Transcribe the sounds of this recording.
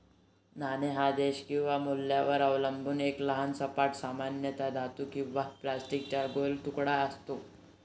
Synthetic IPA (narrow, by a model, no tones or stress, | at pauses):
naneɦad̪eɕkĩw̃ʋamulːjaʋəɾəʋləmbuːnekləɦansəpaʈsamanjət̪ad̪at̪ukĩw̃ʋaplasʈik̚t͡ɕaɾɡolt̪ukɽaəst̪o